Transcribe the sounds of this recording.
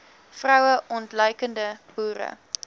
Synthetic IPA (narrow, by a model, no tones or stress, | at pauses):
frɐwəʔɔntlœjkəndəb̥uːɾə̰